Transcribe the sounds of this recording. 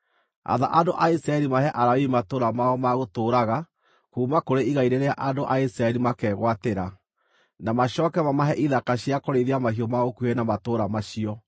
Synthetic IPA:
a̰ða̰ʔandoʔaisɾaɛɾimahɛʔaɾawiimatoːɾamaɔmaɣotoːɾaɣa | kuːmakoɾeiɣaiɾeɾeaʔandoʔaisɾaɛɾimakɛɣwateɾa | namaɕɔːkɛmamaɦɛʔiðakaɕiakoɾeðeamahiɔmaɣokuɛnamatoːɾamaɕiɔ

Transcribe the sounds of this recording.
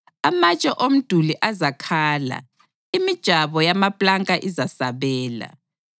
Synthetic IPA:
amat͡ʃʼɔʔom̩d̥ʱuliʔazakʰaːla̰ | imid̥ʒ̥ʱaβɔjamapʼlaŋkʼaʔizasaβɛːla̰

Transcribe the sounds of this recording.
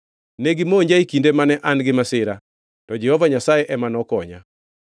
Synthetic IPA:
neɡɪmooɲd͡ʒaikindemanɛʔanɡɪmasɪɾa | tɔd͡ʒɛhɔvaɲasajɛʔɛmanɔkɔɲa̰

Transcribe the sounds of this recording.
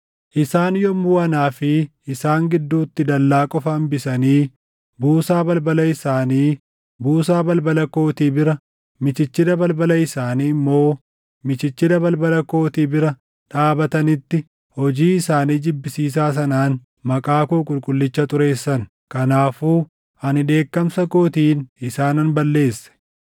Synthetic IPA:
ʔɪsaːnjɔmuːɐnaːfɪ | ɪsaːŋɡɪd̪ːuːt̪ːɪd̪ɐlːaːkʼɔfɐːmbɪsɐniː | buːsaːbɐlbɐlɐɪsaːniː | buːsaːbɐlbɐlɐko̞ːt̪iːbɪɾɐ | mɪt͡ʃɪt͡ʃːɪd̪ɐbɐlbɐlɐɪsaːniːmːo̞ː | mɪt͡ʃɪt͡ʃːɪd̪ɐbɐlbɐlɐko̞ːt̪iːbɪɾɐ | ᶑaːbɐt̪ɐnɪt̪ːɪ | hɔd͡ʒiːɪsaːniːd͡ʒɪbːɪsiːs̬aːs̬ɐnaːn | mɐkʼaːkuːkʼʊlkʼʊlːɪt͡ʃːɐt̪ʼʊɾe̞ːsːɐn | kɐnaːfuː | ɐnɪᶑe̞ːkːɐmsɐkoːt̪iːnɪsaːnɐnbɐlːe̞ːsːɛ̥

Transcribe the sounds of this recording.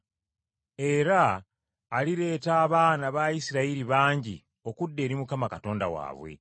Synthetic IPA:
e̞ɾaː | liɾe̞ːtaːβaːnaβajisiɾaiɾiβaːɲɟḭ | o̞kudːe̞ːɾimukamakato̞ːnda̰wa̰ːβwe̞̰

